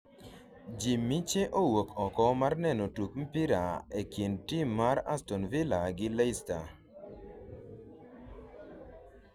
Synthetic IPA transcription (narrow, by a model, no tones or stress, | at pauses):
d͡ʒimːit͡ʃeʔowokʰɔkɔmarnɛnɔtukm̩piɾaekintimːaɾa̰stɔnvilaɡɪlaista